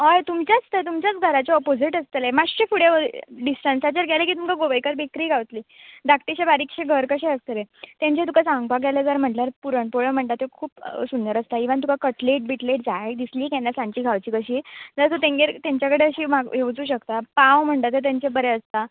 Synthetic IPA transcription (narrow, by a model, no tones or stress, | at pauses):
ajt̪umt͡ɕjaəst̪ət̪umt͡ɕjat͡sɡʱəɾat͡ɕeɔpod͡ziʈəst̪əlemaɕefuɽeəɖisʈənsat͡ɕəɾɡʱɛlekiːt̪umkaɡoʋəjkəɾbikɾiːɡʱaʋt̪liːd̪akʈ̪iɕebaɾikɕeɡʱəɾkəɕeəst̪əlet̪jãɲt͡ɕet̪ukasãŋɡpaɡaləd͡zəɾm̤əɳʈlaɾpuɾəɳpoɭəm̤əɳʈ̪at̪ːekʰuːpsund̪əɾəst̪aiʋant̪ukakəʈleʈ̚biʈleʈ̚d͡zaɦed̪isliːkɛnːasãɲt͡ɕiːɡʱaʋt͡ɕiːkəɕiːd͡zəɾt̪ot̪ẽŋɡeɾt̪aɲt͡ɕjakəɽeəɕiːmaɡeʋt͡suːɕəkt̪apawm̤əɳt̪at̪et̪aɲt͡ɕebəɾeəst̪a